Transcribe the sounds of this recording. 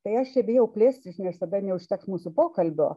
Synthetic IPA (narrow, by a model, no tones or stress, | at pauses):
t̪ɐɪɐʃtʲɛbʲeːjɛʊpʲlʲeːsʲt̪ʲɪsʲnʲɛst̪ɐd̪ɐnʲɛʊʃʲt̪ʲɛksmuːsʊpoːkɐlʲbʲo̰ː